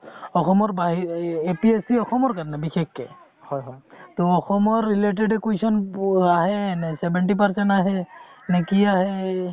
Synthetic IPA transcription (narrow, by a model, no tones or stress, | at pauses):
ɔxɔmɔɹbaɦiepiesiɔxɔmɔɹkaɹɔnɛbixekːɛ | hɔjɔjtoɔxɔmɔɹːileʈ̬eɖekwesɔnaɦɛnɛsɛbɛnʈip̬aɹsɛnʈaɦɛnekiaɦɛ